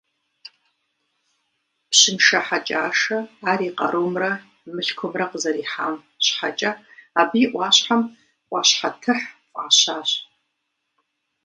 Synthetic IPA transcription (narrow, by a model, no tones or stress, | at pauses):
pɕɪnʃɐħat͡ʃʼaːʂɐaːɾiːqɐ̰ɾowmrɐ | mɨɬkʷʰɔmrɐqəzɐɾiːħa̰ːm | ɕħa̰t͡ʃʼɐ | abiːʔʷɑːɕħam | qʷʼɑːɕħatʰɨħpʷʼaːɕaːɕ